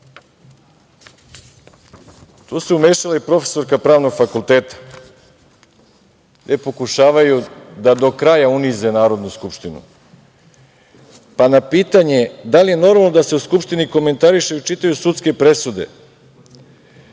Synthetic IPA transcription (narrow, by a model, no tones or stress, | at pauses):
t̪uːsuumeːʃalaipɾo̞fe̥so̞ɾkapɾaːʋno̞ɡfakulˠt̪e̞ːt̪ḁ | ɡd̪epo̞kuʃaːʋajud̪ad̪o̞kɾaːjaunize̞naːɾo̞d̪nuskupʃt̪inṵ | panapiːt̪aɲe̞d̪alije̞no̞ɾmalˠnod̪ase̞uskupʃt̪iniko̞me̞nt̪aɾiʃeut͡ʃit̪ajusut̪ske̞pɾe̞sud̪e̞̰